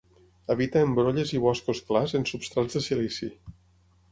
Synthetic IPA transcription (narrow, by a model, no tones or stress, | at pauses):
əβit̪əːmbɾoʎəziβ̞ɔskosklazənsupst̪ɾazðəsilisi